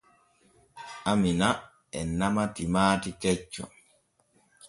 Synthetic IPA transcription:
ʔamina | ɛnamatimaːtikɛt͡ʃːɔ̰

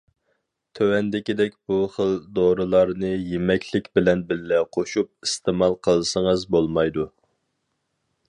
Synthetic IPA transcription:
t̪ʰøwɛnd̪ɪkʲid̪ɛkʲb̥uχəld̪oɾɨlˠɑɾnɨjemɛkʲʰlɪkʲbɪlɛnbɪlːɛqʰoʃup̚ist̪ɨmɑlˠqʰəlˠsəŋəzbolˠmɑjd̪u

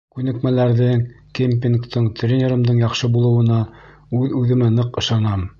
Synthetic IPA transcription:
kʉnɘ̆kmælæɾðɘŋ | kʲemp̬ʲinkt̪ʰɤɴt̪rʲenʲeɾɤ̆md̪ɤɴjɑqʃɤbulˠɤ̆wɤ̆nɑ | ʉðʉðɘ̆mænɤqɤ̆ʃɑnɑm

